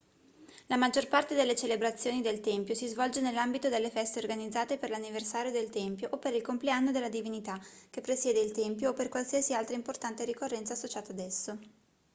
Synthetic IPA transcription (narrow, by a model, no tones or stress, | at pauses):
lamad͡ʒːorpart̪ed̪elːet͡ʃelebɾat̪sːjoːnid̪elt̪ɛmpjosizvɔld͡ʒenelːambit̪od̪elːefɛst̪eorɡanid̪zːaːt̪eperlanːiversaːɾjod̪elt̪ɛmpjoʔopːeɾilkompleanːod̪elːad̪ivinit̪ak̟epːɾesjɛːd̪eilt̪ɛmpjoːpːerkwalsiasialt̪ɾaimport̪ant̪eɾikorːɛnt̪sasːot͡ʃaːt̪aːd̪ɛsːo